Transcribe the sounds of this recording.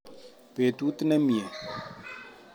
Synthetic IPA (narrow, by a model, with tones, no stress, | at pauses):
pe˨tu˦t̪ɪ˦nɛ˦mi˨ɛ˨